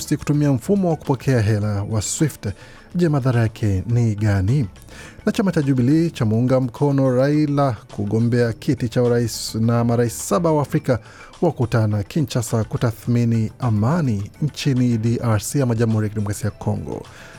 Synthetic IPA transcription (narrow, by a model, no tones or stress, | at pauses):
siku̥tumiaɱ̩fumɔwaku̥pɔkʰɛaɦɛlawaswift | ʄɛmaðaɾajakʰɛniɠani | nat͡ʃamat͡ʃaʄuɓilit͡ʃamuuŋɡam̩kʰɔnɔɾailakuɠɔmbɛakʰitit͡ʃauɾaisnamaɾaisi̥saɓawaːfɾika | wakutanakʰint͡ʃasakutaθminiamaniɲ̩t͡ʃinidiʔaɹsiamaʄamuhuɾijakidimɔkɾasiakʰɔŋɡɔ̰